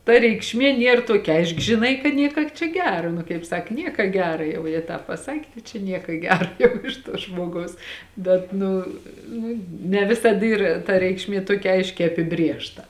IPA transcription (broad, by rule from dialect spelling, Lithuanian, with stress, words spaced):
tɐ rʲɛɪkʃʲˈmʲeː ˈnʲiɛr ˈtuɔkʲɛ ˈɐɪʃk ʒʲɪˈnɐɪ kɐ ˈnʲiɛkɐ t͡ʃʲɛ ˈɡʲæːrɐ nʊ kɐɪp ˈsɐk ˈnʲiɛkɐ ˈɡʲæːrɐ ˈjɛʊ jɛ ˈtɑːp pɐˈsɑːkʲeː ˈtɐɪ t͡ʃʲɛ ˈnʲiɛkɐ ˈɡʲæːrɐ jɛʊ ˈɪʃ tuɔ ˈʒmoːɡɐʊs ˈbʲɛt ˈnʊ ˈnʊ nʲɛ ˈʋʲɪsɐt ˈiːr tɐ ˈrʲɛɪkʃʲˌmʲiɛ ˈtuɔkʲɛ ˈɐɪʃʲkʲɛɪ ɐpʲɪˈbʲrʲeːʃtɐ